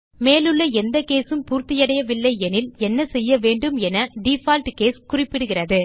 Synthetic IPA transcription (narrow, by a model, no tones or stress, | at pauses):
meːlɯɭːɐɛnd̪ɐkeːsɯmpuːɾt̪ɪjɐɽɐjɐʋɪlːɐɪɛnɪlɛnːɐsɛjːɐʋeːɳɖɯmɛnɐɖifaːlʈkeːskʊrɪpːɪɽɯɣɪrɐðɯ